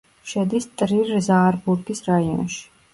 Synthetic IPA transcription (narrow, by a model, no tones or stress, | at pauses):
ʃɛd̪ist̪ʼɾiɾzaːɾbuɾɡisɾaiɔ̰nʃi̥